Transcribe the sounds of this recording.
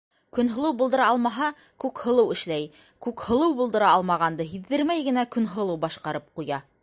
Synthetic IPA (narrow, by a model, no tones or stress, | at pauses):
kɵ̆nɦɤ̆lˠɤwbulˠd̪ɤ̆ɾɑɑlˠmɑɦɑ | kʉkhɤ̆lˠɤwɘ̆ʃlæj | kʉkhɤ̆lˠɤwbulˠd̪ɤ̆ɾɑɑlˠmɑʁɑnd̪ɤɦiðːɘɾmæjɡɘ̆nækɵ̆nɦɤ̆lˠɤwbɑʃqɑɾɤp̚qujɑ